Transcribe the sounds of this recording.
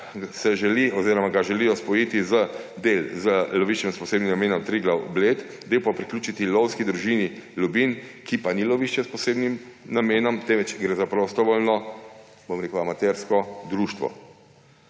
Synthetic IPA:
sɛʒɛliɔziːɾɔmaɡaʒɛlijɔspɔjit̪izə | d̪eːlzəlɔʋiːʃt͡ʃɛmspɔseːbnimnameːnɔmt̪ɾiɡlawblet̪ | d̪ewpɔpɾiklʲuːt͡ʃit̪ilɔwskid̪ɾuʒiːnilubinkipanilɔʋiʃt͡ʃɛspɔseːbnimnameːnɔmt̪ɛːnʋɛt͡ʃɡɾeːzapɾost̪ɔʋoːlnɔ | bomɾeːkuamat̪ɛɾskɔd̪ɾuːʃt̪ʋɔ̰

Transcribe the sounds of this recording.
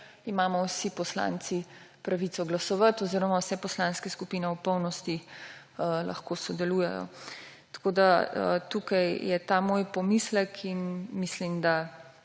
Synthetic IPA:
imaːmɔwsipɔsla̰nt̪si | pɾaʋit̪sɔɡlasɔʋət̪ɔziːɾɔmawsɛpɔslaːnskɛskupinɛwpɔwnɔst̪i | lɐ̰xkoːsɔd̪ɛluːjɛ̰jɔ̰ | t̪ḁkoːd̪aə̰t̪ukajjɛt̪aːmoːjpɔmislɛkʰinmislimd̪a

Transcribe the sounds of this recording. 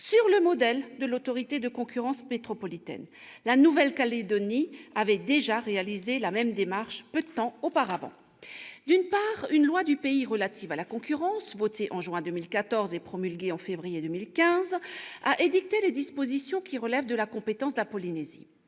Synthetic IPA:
syʁləmɔd̪ɛld̪əlot̪ɔʁit̪ed̪əkɔ̃kʲyʁɑ̃smet̪χɔpɔlit̪ɛ̰n | lanuvɛlkaled̪ɔniavɛd̪eʒaʁealizelamɛmd̪emaʁʃpød̪ət̪ɑ̃opaʁavɑ̰̃ | d̪ynpaːʁynlwad̪ypeiʁəlat̪ʰivalakɔ̃kʲyʁɑ̃svɔt̪eʔɑ̃ʒɥɛ̃d̪ømilkat̪ɔʁzepχɔmylɡʲeɑ̃fevʁijed̪ømilkʲɛ̃zaʔed̪ik̚t̪eled̪ispozisjɔ̃kʲiʁəlɛvd̪əlakɔ̃pet̪ɑ̃sd̪əlapɔlinezḭ

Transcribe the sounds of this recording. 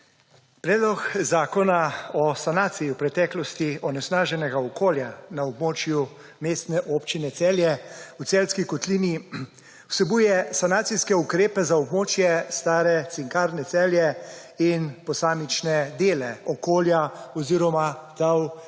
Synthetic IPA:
pɾɛːd̪lɔkzaːkɔnaɔsanaːt̪sijiwpɾɛt̪ɛːklɔst̪iɔnɛsnaːʒɛnɛɡaɔkoːljanaɔbmoːt͡ʃju | meːst̪nɛʔopt͡ʃinɛt̪sɛːljɛut̪sɛlskikɔt̪liːni | wsɛbujɛsanaːt̪siskɛukɾeːpɛzaɔbmoːt͡ʃjɛst̪aːɾɛt̪siŋkaːɾnɛt̪sɛːljɛinpɔsaːmit͡ʃnɛd̪eːlɛɔkoːljaɔziɾɔmat̪aw

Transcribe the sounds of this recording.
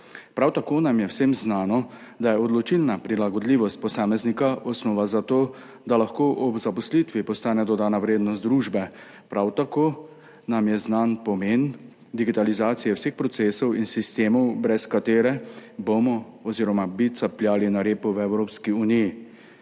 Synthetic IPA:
pɾawt̪akoːnamjɛwsemznaːnɔd̪ajɛɔd̪lɔt͡ʃilnapɾilaɡɔd̪liːʋɔst̪̚pɔsaːmɛznikaʔɔsnɔːʋazat̪oː | d̪alaxkoːʔɔbzapɔslit̪ʋipɔst̪aːnɛd̪ɔd̪aːnaʋɾeːd̪nɔst̪d̪ɾuːʒbɛ | pɾawt̪akoː | namjɛznanpɔmeːn | d̪iɡit̪alizaːt̪sijɛwsexpɾɔt̪seːsɔwinsist̪eːmɔwbɾɛskat̪eːɾɛbomɔ | ɔziːɾɔmabit̪sapljaːlinaɾeːpuwɛwɾoːpskiuniji

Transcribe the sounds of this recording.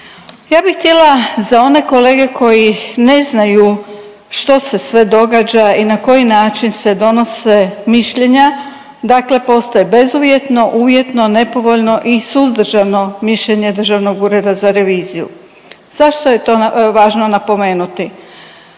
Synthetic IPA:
jaːbixt̪ʲjelazao̞ne̞ko̞le̞ːɡe̞kʰo̞jine̞znaju | ʃt̪o̞se̞sʋe̞d̪o̞ɡad͡ʒainako̞jinaːt͡ʃinse̞d̪o̞no̞se̞miʃʎe̞ɲa | d̪akle̞po̞st̪ajebe̞zuʋje̞t̪no̞ʔuːʋje̞t̪no̞ne̞po̞ʋo̞ʎno̞ʔisuzd̪r̩ʒano̞miʃʎe̞ɲe̞d̪r̩ʒaʋno̞ɡuːɾe̞d̪azaɾe̞ʋiːzijṵ | z̥aʃt̪o̞je̞t̪o̞ʋaːʒno̞napo̞me̞ːnut̪i

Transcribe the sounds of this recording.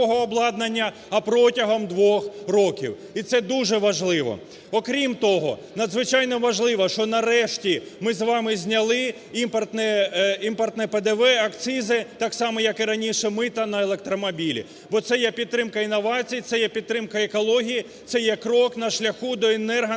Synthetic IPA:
ɔɦɔːblˠɑd̪nɐnʲːɐ | ɐpɾɔtʲɐɦɔmd̪ʋɔxrɔkʲḭw | it̪sɛd̪uʒɛʋɐʒlˠɪʋɔ̰ | ɔkɾʲimt̪ɔɦɔ̰ | nɐd̪zʋɪt͡ʃɑjnɔʋɐʒlˠɪʋɐʃt͡ʃɔnɐɾɛʃtʲimɪzʋɑmɪzʲnʲɐlˠɪ | impɐrt̪nɛimpɔrt̪nɛped̪ɛʋɛɐkt̪sɪzɪt̪ɑksɑmɛjɐkɪɾɐnʲiʃɛmɪt̪ɐnɐelˠek̚t̪ɾɔmɔbʲilʲḭ | bɔt̪sɛjɛpʲid̪ːɾɪmkɐinːɔʋɑt͡sʲijːt̪sɛjɛpʲid̪̚t̪ːɾɪmkɐekɔlˠɔɦʲiji | t̪sɛjɛkɾɔknɐʃlʲɐxud̪ɔenɛrɦɐ

